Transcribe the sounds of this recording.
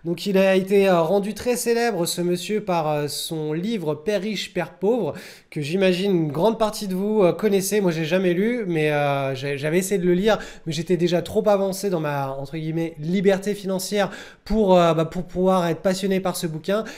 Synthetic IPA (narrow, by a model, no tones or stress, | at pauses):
d̪ɔ̃kilaet̪eøʁɑ̃d̪yt̪χɛselɛbʁəsəməsjøpaʁøsɔ̃livʁəpɛʁːiʃpɛʁpovʁə | kəʒimaʒinynɡʁɑ̃d̪̚paʁt̪id̪əvuøkɔnɛsemwaʒeʒamɛlymɛøʒaʒavɛesejed̪ələliːʁmɛʒet̪ɛd̪eʒat̪χopavɑ̃sed̪ɑ̃maɑ̃t̪χəɡʲimɛlibɛʁt̪efinɑ̃sjɛʁ | puʁøbapuʁpuvwaʁɛt̪χə̥pasjɔnepaʁsəbukʲɛ̃